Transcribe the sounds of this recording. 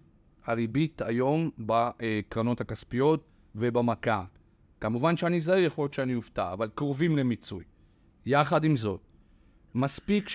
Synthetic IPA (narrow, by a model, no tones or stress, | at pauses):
haʁibit̪a̰jo̞mbakʁano̞thakaspijo̞t | vebamaka | kamuvanʃeanizahejaχo̞ljo̞t̪ʃeaniuvta̰ːvalkʁovimle̞mit͡suj | jaχad̪imzo̞t | maspikʃ